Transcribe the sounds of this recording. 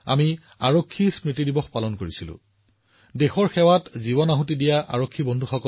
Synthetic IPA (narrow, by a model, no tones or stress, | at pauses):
a̰mi | aɹokʰːispɹitidibɔxpalɔnkoɹisilʊ̰̃ | dexɔɹxɛwatzibɔnaɦutidijaʔa̰ɹokʰːibɔndʱuxɔkɔ